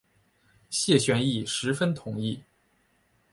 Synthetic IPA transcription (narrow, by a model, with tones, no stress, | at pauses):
ɕjɛ˥˩ɕɥɛ˧˥ni˥˩ʂɻ̩˧˥fə˥nt̪ʰʊ˨˩ŋi˥˩